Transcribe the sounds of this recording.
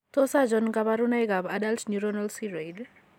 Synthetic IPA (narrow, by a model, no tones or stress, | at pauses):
tɔsad͡ʒɔnkabaɾunajɡabadaltnuɾɔnalsiɾejd